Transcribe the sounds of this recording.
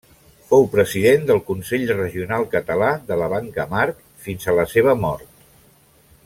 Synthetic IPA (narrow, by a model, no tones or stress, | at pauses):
fowpɾəziðend̪əlˠkunsɛʎrəʒiunalˠkət̪əlaðələβaŋkəmaɾk | finzələseβəmɔɾt̪̚